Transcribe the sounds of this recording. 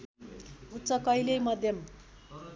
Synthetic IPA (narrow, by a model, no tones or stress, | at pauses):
utːt͡sʌkʌjlʌjmʌd̪ʱjʌm